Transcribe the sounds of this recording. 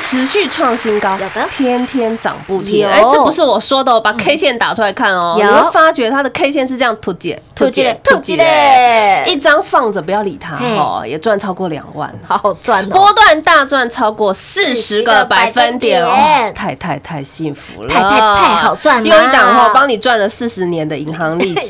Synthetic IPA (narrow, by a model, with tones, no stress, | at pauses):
ʈ͡ʂʰɻ̩˧˥ɕy˥˧ʈ͡ʂʰwɑ˥˩ŋɕi˥nkɑ˥ʊ˨˩t̪ʰjɛ˥nt̪ʰjɛ˥nʈ͡ʂɑ̰˨˩ŋpu˥˩t̪ʰji˧˥a˧˥ɪʈ͡ʂɤ˥˩pu˧˥ʂɻ̩˥˩wɔ˨˩ʂwɔ˥d̪ə˨wɔ˨˩pa˨˩kʰe˥ɪɕjɛ˥˩nt̪a˨˩ʈ͡ʂʰu˥la˧˥ɪkʰa˥˩nɔ˨˩in˧˨o˥˩fa˥t͡ɕɥɛ˧˥t̪ʰa˥d̪ə˨kʰe˥ɪɕjɛ˥˧nʂ̬ɻ̩˧ʈ͡ʂɤ˥˧jɑ˥˩ŋt̪ʰu˧˥t͡ɕɛ̰˨˩t̪ʰu˧˥t͡ɕɛ˨˥˩t̪ʰu˧˥t͡ɕi˨˩ | i˥˩ʈ͡ʂɑ˥ŋfɑ˥˩ŋd͡zə˨˩pu˧˥jɑ˥˩ʊli˨˩t̪ʰa̰˥ɔ̰˧˩jɛ̰˨˩t͡swa˥˩nʈ͡ʂʰɑ˥ʊkwɔ˥˩ljɑ̰˨˩ŋwa̰˥˩na˥˩pwɔ˥t̪wa˥˧nt̪a˥˧t͡swa˥˩nʈ͡ʂʰɑ˥ʊkwɔ˥˧sɹ̩˥˩ʂɻ̩˧˦ɡə˧pa˨˩ɪfə˦nt̪jɛ˨˩˦nɔ˧˦t̪ʰa˥˧ɪt̪ʰa˥˧ɪt̪ʰa˥˧ɪɕi˥˩nfṵ˧˦lwa˥˩jo˥˧ʊi˥˩t̪ɑ˨˩ŋɔ˥˩pɑ˥ŋni˨˩ʈ͡ʂwa˥˩nlə˩sɹ̩˥˩ʂɻ̩˧˦njɛ˧˥nd̪ə˨i˧˥ŋxɑ˧˥ŋli˥˧˩